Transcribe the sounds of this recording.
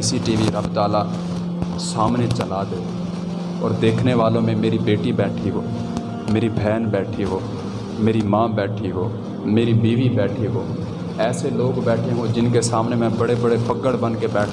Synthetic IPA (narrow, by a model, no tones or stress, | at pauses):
ɪsiʈiːʋiɾəbt̪aːla | saːmnet͡ʃəlad̪ɐe | ɔːɾd̪eːkʰneʋaːlõmẽmeːɾibeːʈibɛːʈʰiɦo̰ː | meːɾibʱɛːnbɛːʈʰiɦoː | meːɾimãːbɛːʈʰiɦoː | meːɾibiːʋibɛːʈʰiɦoː | ɛːseloːɡbɛːʈʰeɦõd͡ʒɪnkesaːmnemɛ̃bɐɽebəɽepəɡəɽbənkebɛːʈʰ